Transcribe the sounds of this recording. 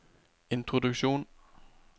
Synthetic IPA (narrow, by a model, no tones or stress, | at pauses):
e̝nt͡sʰʁoduɡ̥ɕo̝̰ːn